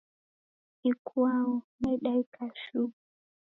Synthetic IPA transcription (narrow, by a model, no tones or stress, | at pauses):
ikʰuaɔnɛɗaikaʃu